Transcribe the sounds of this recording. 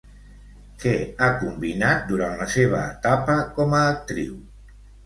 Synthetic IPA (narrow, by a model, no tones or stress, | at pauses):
keakumbinat̪̚d̪uɾanlaseβ̞aet̪apakomaːk̚t̪ɾḭw